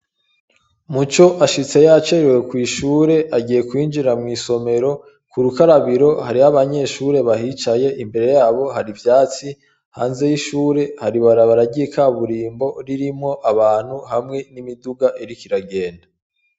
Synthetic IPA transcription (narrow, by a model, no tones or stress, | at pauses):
mut͡ʃo̞ʔaʃit͡se̞jat͡ʃeɾewe̞kwiːʃuːɾe̞ʔaɟiːje̞kwiːnd͡ʒiɾamŋiːso̞me̞ɾo̞ | kuɾukaɾaβiɾo̞haɾihaβaɲe̞ːʃuɾe̞βahit͡ʃaje̞ʔimbe̞ɾe̞jaːβo̞ɦaɾivjaːt͡si | ha̰ːnze̞jiʃuːɾe̞haɾiβaɾaβaɾaɟiekʰaβuɾiːmbo̞ɾiɾimŋo̞ʔaβaːn̥huhamŋe̞nimiduɡaʔeɾikiɾaɡe̞ːnda